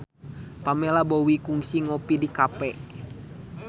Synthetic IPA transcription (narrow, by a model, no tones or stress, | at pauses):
pamɛlabowikuŋsiŋɔpidikapɛʔ